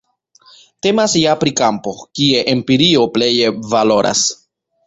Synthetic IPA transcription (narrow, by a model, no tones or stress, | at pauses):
te̞masjapɾikampo̞kieʔempiɾio̞ple̞jevalo̞ɾʔa̰s